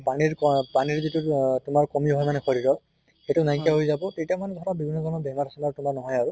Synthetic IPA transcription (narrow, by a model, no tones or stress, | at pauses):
paniɹkɔpaniɹzitutʊmaɹkɔmiɦɔjmanɛxɔɹiɹɔ | etʊnaikijaɦojzabɔtejtijamanɛdʱtabibʱinːɔzɔnɔbɛɦmaɹtʰasɔmaɹtʊmaɹnɔɦɔjaɹu